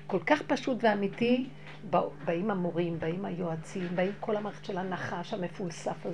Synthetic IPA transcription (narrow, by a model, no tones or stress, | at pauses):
ko̞lkaχpaʃutveamiti | babaimamoʁimbaimajoat͡simbaimkʰo̞lhamae̥ʃelanaχaʃame̞fulsafa